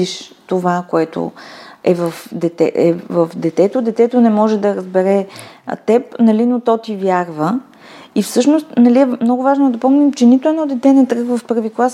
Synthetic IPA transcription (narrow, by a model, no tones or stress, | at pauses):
iʃt̪ovakoɛt̪o̰ɛvəfd̪ɛt̪ɛʔɛvəfd̪ɛt̪ɛt̪od̪ɛt̪ɛt̪onɛmɔʒɛd̪ɐɾəzbɛɾɛ̰t̪ɛpnɐlinot̪ɔt̪ivʲjaɾvə | ifsɤʃnost̪nɐliɛmnɔɡʊvaʒnod̪ɐpɔmnimt͡ʃɛnit̪ʊɛnɔd̪ɛt̪ɛnɛt̪ɾɤɣvəfpɤɾviklˠas